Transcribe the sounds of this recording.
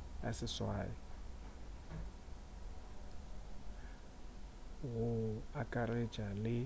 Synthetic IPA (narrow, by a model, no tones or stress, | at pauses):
jasɪswa̰ːjɔ | ɣʊakʼare̥d͡ʒalɪ